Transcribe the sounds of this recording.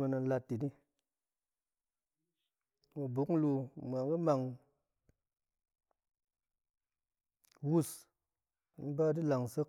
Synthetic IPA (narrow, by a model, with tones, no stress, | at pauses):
mi˧nɨ˧n˦la˧tːi˨ni˦ | mu˧bu˨˦kŋ̩˦lu˧˨m˨a˨ŋɨ˦ma˨ŋ | wu˦s | n̩˦ba˦di˦la˨ŋ˨sə˦